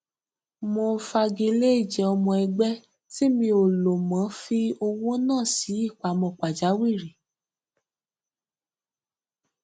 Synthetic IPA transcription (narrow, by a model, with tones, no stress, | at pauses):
mo˧fa˧ɡe˧le˦i˦˨d͡ʒɛ˨ɔ˧mɔ̃˧ɛ˧ɡ͡bɛ˦ | ti˦mĩ˧o˨lo˨mã˨˦fi˧o˧wũ˦nãː˦˨si˨˦i˦˨k͡pa˨˦mɔ̃˧˨k͡pa˨d͡ʒa˨˦wi˦˨ɾi˨